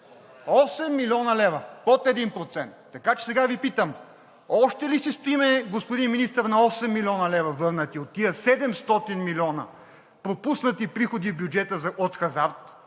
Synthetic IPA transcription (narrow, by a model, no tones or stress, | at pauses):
ɔsɛmːilʲiɔnɐlɛvɐpot̪ɛd̪inpɾot̪sɛnt̪ːɐkat͡ʃɛ̥sɛɡavipit̪əm | ɔʃt̪ɛlisist̪oimɛɡospod̪inminist̪əɾnɐɔsɛmːilʲiɔnɐlɛvɐvɤɾnət̪iot̪ːiəsɛd̪ɛmst̪ɔt̪inmilʲiɔnə̰ | pɾopusnət̪ipɾixod̪ivbjud͡ʒɛt̪əzɐot̪xɐzaɾt̪